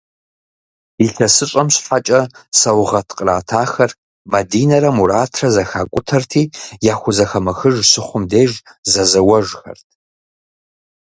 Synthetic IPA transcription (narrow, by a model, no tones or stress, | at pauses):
iɬʰɐsɨɕʼɐmɕħat͡ʃʼɐsɐwʁɐtʰqʼraːtʰaːxɐr | mɐdiːnɐɾɐmuɾaːtʰrɐzɐxaːkʷʼʊtʰɐrtʰiːjaːxʷʊzɐxɐmɐxɨʒsɨχʷʊmdeːʒ | zɐzɐwɐʒxɐ̰rtʰ